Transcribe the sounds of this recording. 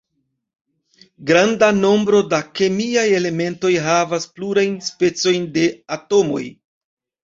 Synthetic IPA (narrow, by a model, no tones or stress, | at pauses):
ɡɾandano̞mbɾo̞dake̞miaje̞le̞me̞nto̞jɦavaspluɾajnspe̞t͡so̞jnde̞ato̞mo̞̰j